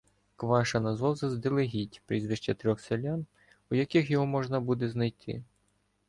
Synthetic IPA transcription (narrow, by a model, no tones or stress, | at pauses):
kʋɑʃɐnɐzʋɑwzɐzd̪ɪlˠeɦʲitʲpɾʲizʋɪʃt͡ʃɐt̪ɾʲɔxselʲan | ujɐkixjɔɦɔmɔʒnɐbud̪eznɐjt̪ʰɪ̰